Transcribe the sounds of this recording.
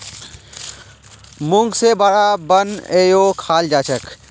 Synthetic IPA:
mũŋɡsebəɽabənejokʰaːld͡ʒaːt͡ʃʰək

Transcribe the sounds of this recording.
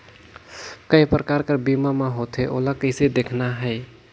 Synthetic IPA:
kəjpɾəkaɾkəɾbimameɦot̪ɦeʔo̰lakəɪsed̪ekʰnaɦəɪ

